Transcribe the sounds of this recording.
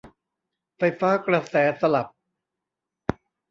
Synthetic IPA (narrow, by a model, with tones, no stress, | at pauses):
fa˧jfaː˦˥kɾa˧sɛː˩˦sa˧la˨˩p̚